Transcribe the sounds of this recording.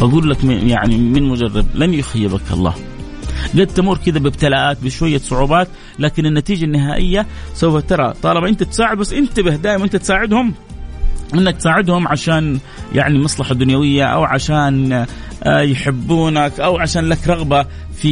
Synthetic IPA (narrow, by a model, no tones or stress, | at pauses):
baɡuːlːakja̰ʕnimɪnmʊd͡ʒɑrˤːɑd̪̚lanjʊxajːɪbakʔɑ̰lˤːɑ̰ːh | ɡad̪̚t̪amuːɾkɪd̪abɪbt̪alaʔaːt̪̚bɪʃwajːasˤʊʕuːbaːt̪ | laːkɪnɪnːat̪iːd͡ʒanːɪɦaːʔɪjːasawfat̪ɑɾˤɑt̪ˤɑːlɑbaʔɪnt̪at̪saːʕɪd̪̚basːʔɪnt̪abɪhd̪aːʔɪmanʔɪnt̪at̪saːʕɪd̪hʊm | ʔɪnːak̚t̪saːʕɪd̪hʊmʕaʃaːn | jʔa̰ʕnimɑsˤlɑħad̪ʊnjawɪjːaʔa̰wʕaʃaːn | jħɪbːuːnakʔawʕaʃaːnlakɾˤɑɣba | fi